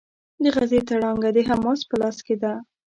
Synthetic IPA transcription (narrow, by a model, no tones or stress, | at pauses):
d̪əɣazet̪aɽɑŋɡad̪əɦamɑspəlɑsked̪a